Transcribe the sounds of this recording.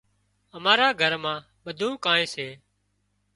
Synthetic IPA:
əmaːɾaːɡʱəɾmãː | ɓəd̪ʱũːkãːẽːseː

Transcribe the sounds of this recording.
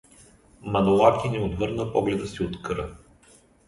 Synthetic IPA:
mɐnolˠak̪ʲinɛod̪vɤɾnəpɔɡlɛd̪əsiot̪kɤɾə

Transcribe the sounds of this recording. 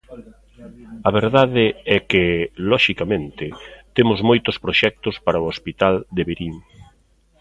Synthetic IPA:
ɐβeɾðaðɪɛkɪlɔʃikamẽnt̪ɪt̪emʊzmojt̪ʊspɾoʃɛk̚t̪ʊspaɾɐʊospit̪ald̪eβeɾiŋ

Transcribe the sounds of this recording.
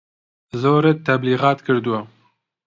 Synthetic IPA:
zoːɾet̪ːabliɣɑːt̪kɨɾd̪uwa

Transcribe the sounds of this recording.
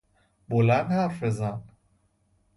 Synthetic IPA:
bolænd̪hæɾfezæn

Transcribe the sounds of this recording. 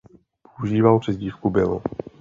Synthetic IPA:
pouʒiːvalpr̥ɛzɟiːfkubɪlo

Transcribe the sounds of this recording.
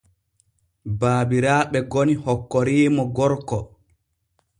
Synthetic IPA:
baːbiɾaːɓɛɡonihɔkːɔɾiːmɔɡɔɾkɔ

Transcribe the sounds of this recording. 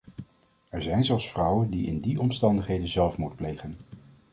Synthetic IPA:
ɛɹzɛjnzɔlˠsfrɑwəndiɪ̰ndiɔmstɑndəχɦejdənzɛlˠfmutplejχən

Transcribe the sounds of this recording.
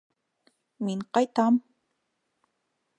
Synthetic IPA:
minqɑjt̪am

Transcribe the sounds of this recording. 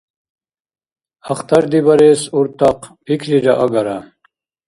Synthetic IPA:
ɐxt̪ɐɾd̪ibɐɾesuɾt̪aqpʰikʰɾiɾaʔaɡɐɾa

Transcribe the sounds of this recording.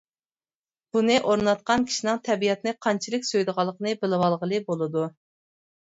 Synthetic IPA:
b̥unɨʔoɾnɑt̪̚qɑnkʲʰi̥ʃinɨŋt̪ʰɛbijɛt̪nɨqʰɑnt͡ʃʰilˠɪkʲsøjd̪əʁɑlˠːəqənɨbɪlɪwɑlˠʁəlˠɨbolˠɨd̪u

